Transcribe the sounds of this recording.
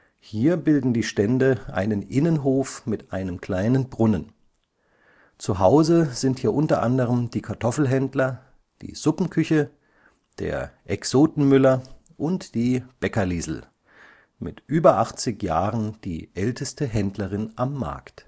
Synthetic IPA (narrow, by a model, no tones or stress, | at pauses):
hiːɐbɪldn̩diːʃtɛndəʔa̰ɪnənʔɪnənɦoːfmɪtʔaɪnəmkl̥aɪnənbʁʊnən | t͡suɦaʊzəzɪnthiːɐʔʊntɐ̰ʔandəʁ̞əmd̥iːkʰaɐtʰɔfl̩ɦɛndlɐ | d̥ḭːz̥ʊpn̩kʰʏçə | d̥ḛːɐʔɛksoːtn̩mʏlɐ | ʔʊntd̥iːb̥ɛkɐliːzl̩ | mɪ̰tʔyːbɐʔaχt͡sɪçjaːʁənd̥ḭːʔɛltʰəstəɦɛndlɐʁɪnʔamːa̰ɐkt